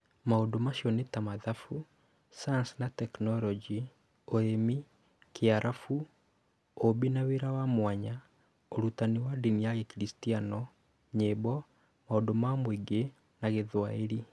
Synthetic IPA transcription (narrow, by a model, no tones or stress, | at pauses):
maodomaɕjɔnetamaðafu | saansnatɛknɔlɔd͡ʒi | oemi | keaɾʔafu | obinaweɾawamwaɲa | oɾutaniwadiniaɣekɾistianɔ | ɲebɔ | maodomamweɡe | naɣeðwaeɾi